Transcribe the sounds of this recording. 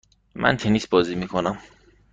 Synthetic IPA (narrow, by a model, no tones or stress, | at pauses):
mʔæ̰nt̪ʰenisbɒːziːmiːkʰonæm